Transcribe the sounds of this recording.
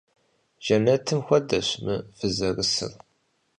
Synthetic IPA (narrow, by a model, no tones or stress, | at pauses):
ʒ̥ænːæt̪ʰːəmxʷæd̪ːæʃmfəzərəsə̰ðˤ